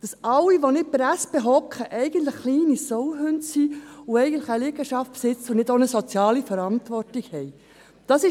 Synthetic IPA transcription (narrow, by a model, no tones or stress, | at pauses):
d̥ɑsɑlːiʋonɪt̚pɾæsb̥eɦɔkχəʔɛɪɡən̩tləχχliːnisɔwɦʉntsiʊɛɪɡən̩tləχəlɪɡəʃɑftpsɪt͡sʊnɪdonəsɔt͡sjɑːlifəɾɑntʋɔrtikhɛɪ | d̥ɑsɪ